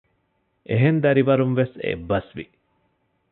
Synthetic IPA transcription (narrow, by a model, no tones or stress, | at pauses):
ʔeɦend̪ɐɾiʋɐɾumʋesḛbːɐsʋḭ